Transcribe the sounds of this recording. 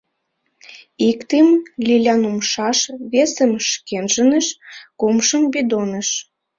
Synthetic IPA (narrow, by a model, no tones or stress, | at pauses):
ikt̪imlʲilʲɑnumʃɑʃβesə̆mʃkenʒə̆nəʃkumʃəmbid̪onə̆ʃ